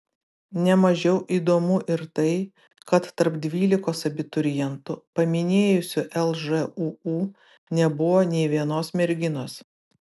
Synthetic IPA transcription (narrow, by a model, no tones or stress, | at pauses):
nʲɛmɐʒʲɛʊʔiːd̪oːmʊʔɪɾt̪ɐɪ | kɐt̪ːɐɾpd̪ʲʋʲiːlʲɪkoːsɐbʲɪt̪ʊɾʲɪjɛnt̪ʊpɐmʲɪnʲeːjʊsʲʊʔɛlˠʒɛuːuː | nʲɛbʊʋoːnʲɛɪʋʲiɛnoːsmʲɛɾʲɡʲɪnoːs